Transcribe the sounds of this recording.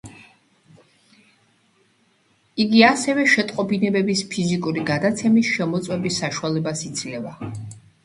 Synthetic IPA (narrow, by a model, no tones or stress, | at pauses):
iɡiasɛvɛʃɛt̪ʼqʼɔbinɛbɛbispʰizikʼuɾiɡad̪at̪sʰɛmisʃɛmɔt̪sʼwɛbisːaʃualɛbasid̪sʰlɛva